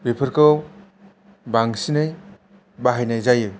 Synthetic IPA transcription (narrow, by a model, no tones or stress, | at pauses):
bepʰɯɾkɯw | baŋsinɯj | baɦajnajzajɯ